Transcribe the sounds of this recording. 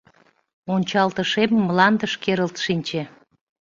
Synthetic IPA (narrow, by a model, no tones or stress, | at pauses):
onʲt͡ɕɑlt̪əʃeməmlɑnd̪əʃkeɾəlt̪ʃinʲt͡ɕe